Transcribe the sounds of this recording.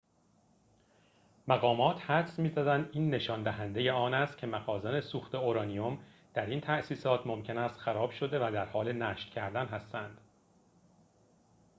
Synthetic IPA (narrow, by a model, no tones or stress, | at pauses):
mæɣɒːmɒːt̪ʰhæd̪smiːzæd̪ænd̪iːnːe̞ʃɒːnd̪æɦænd̪e̞je̞ɒːnæst̪̚cʰe̞mæɣɒːzene̞suːxt̪e̞oɾɒːniom | d̪̥æɾiːnt̪ʰæʔsiːsɒːt̪ʰmo̞mcʰe̞næst̪xæɾɒːb̥ʃo̞d̪e̞væd̪æɾhɒːle̞næːʃt̪cʰæɾd̪ænɦæst̪ænd̪̥